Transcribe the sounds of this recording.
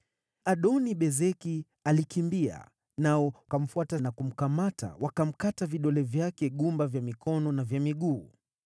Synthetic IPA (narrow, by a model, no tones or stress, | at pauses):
aɗɔniɓɛzɛki | alikimbia̰ | naɔkam̩fuatanakum̩kamata̰wakam̩kataviɗɔlɛvjakɛɠumbavjamikʰɔnɔnavjamiɠuː